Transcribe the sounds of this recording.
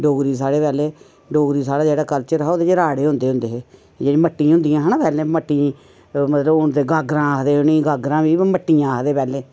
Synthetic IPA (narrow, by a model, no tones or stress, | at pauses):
ɖoːɡɾiːs̬aːɽeːpɛːleː | ɖoːɡɾiːsaːɽaːd͡ʒeːɽaːkəlt͡ʃəɾɦoːd̪eːd͡ʒeːɾaːɽeːɦʊ̃nd̪eːɦʊ̃nd̪eːɦː | d͡ʒeːiːməʈːĩːɦʊ̃nd̪ijãːɦənːpɛːlẽːməʈːĩː | mət̪ləbʊnd̪eːɡaːɡɾãːaːkd̪eːɦʊnĩːɡaːɡɾãːʋiːməʈːiːãːkd̪eːpɛːleː